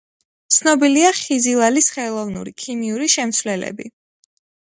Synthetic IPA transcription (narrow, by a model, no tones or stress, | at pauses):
t̪sʰnɔbiliaχizilˠalisχɛlˠɔvnṵɾikʰimiuɾiʃɛmt̪sʰwlɛlɛ̰bi